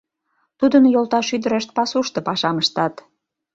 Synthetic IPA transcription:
t̪ud̪ənjolt̪ɑʃyd̪əɾeʃt̪̚pɑsuʃt̪ɤ̆pɑʃɑməʃt̪ɑt̪

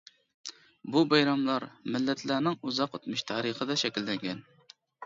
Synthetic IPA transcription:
bubɑjɾɑmlˠɑɾmɪlːɛt̪ʰlænɪŋuzɑqøt̪mɨʃt̪ʰɑːɾəχəd̪ɑʃɛkʲilːɛŋɡʲɛn

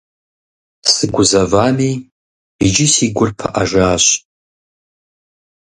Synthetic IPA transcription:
sɨɡʷʊzavami | id͡ʒɪsiɡʷʊrpʰa̰ʔaʐaːɕʷ

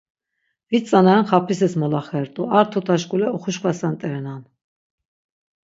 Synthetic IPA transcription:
vit͡sʼanaanχapʰisɛsmɔlaχɛɾt̪ʼuaɾt̪ʰɔt̪ʰaʃkʼulɛɔχuʃkʰvasant̪ʼɛɾɛnan

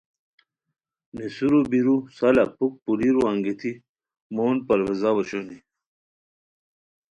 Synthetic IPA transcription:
nisuɾubiɾusalapuk̚puliɾuaŋɡet̪ʰi | moːnpɐɾwezawaɕoni

